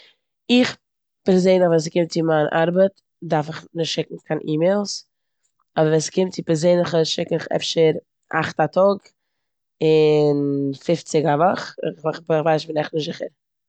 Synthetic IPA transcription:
ɪχ | pɛɾzeɪnɪχvɛːns̬kɪmt̚t͡sɪmaːnʔa̰ɾbət | daɾfɪχnɪʃtʃɪkŋ̩kʰanʔiːmeɪlˠs | ɔbəɾvɛnskɪmt̚t͡sɪpɛɾzeɪnlɪχəʃɪkɪχɛ̰fʃəɾ | ʔa̰χtatʰɔɡ | ɪnfɪft͡sɪɡavɔχɪ̰χχbvaɪʃbɪnɛχnɪʃtzɪχə̰ɾ

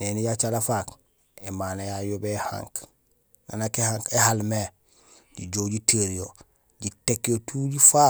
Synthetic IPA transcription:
nenijat͡ʃalafaːk | emaːnajajobehã̰ŋk | na̰nakehaŋkehalme | ɟiɟoːɟitʰeɾijo | ɟitekːijotʰuːɟifaː

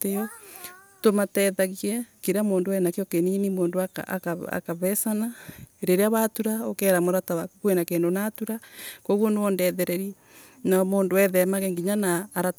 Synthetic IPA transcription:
tejɔ | tomatɛðaɣiɛkiɾamoːndowɛnakeokeninimoːndoakːkaa̰kaβɛsanaɾeɾeaβatuɾaokɛɾamoɾatawakukwenakeːndonatuɾakoɣwonɔndɛðɛɾɛɾi | namoːndoɛðɛmaɣeŋɡiɲanaːɾa

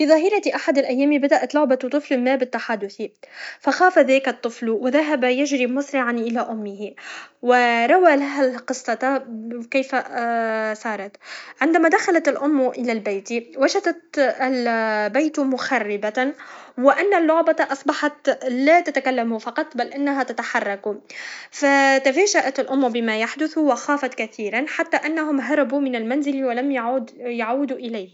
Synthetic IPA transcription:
fiːðˤɑɦiːɾˤɑt̪iʔaħad̪alʔajːæːmibad̪aʔat̪lʊʕbat̪ˤːɨflmaːbɪt̪ːaħad̪ːʊθifaxaːfaðæːkat̪ˤːɨflwɪðaɦabjaʒɾimʊsɾɪʕanʔɪlaʔʊmːɪhiwɪɾˤɑwaːlaɦaqɨsˤːɑkajfa | sˤɑːɾˤɑt̪ʕɪnd̪amaːd̪axalat̪alʔʊmːʔɪlalbajt̪iwaʒad̪at̪lbajt̪mʊxarːɪbawɪʔanːalːʊʕbɑʔɑsˤbɑħɑt̪laːt̪at̪akalːamufɑqɑt̪ˤbalʔanːaɦat̪at̪aħɑrˤːɑkufat̪afaːʒaʔat̪alʔʊmːbɪmajaħd̪ʊθwɪxaːfat̪kaθiːɾanħat̪ːaʔanːahʊmɦɑɾˤɑbumɪnalmanzɪlwalamjaʕuːd̪jaʕuːd̪uʔɪlajh

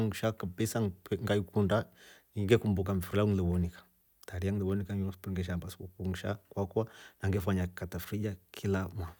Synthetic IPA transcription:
ŋʃakabisaŋpŋɡaikunda | iŋɡekumbukamfiɾlaulɛwɔnikḁ | taɾiaŋlɛwɔnikaspuŋɡɛʃ̬ambaskukuŋʃa̰kwakwanaŋɡɛfaɲakatafɾid͡ʒakʰilama

